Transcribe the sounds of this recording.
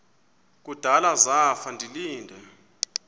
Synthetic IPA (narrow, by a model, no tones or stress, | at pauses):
k̬ud̥ʱalazafandʱiliːndʱɛ